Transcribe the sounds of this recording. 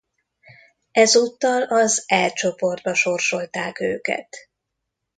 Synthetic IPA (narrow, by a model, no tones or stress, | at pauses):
ɛzuːt̪ːɒlɒzɛlt͡ʃo̞po̞rd̪̚bɒʃo̞rʃo̞lt̪aːkøːkɛ̰t̪